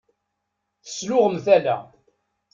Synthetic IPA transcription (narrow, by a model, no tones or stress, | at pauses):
θə̥slʊʁəmθælæ̰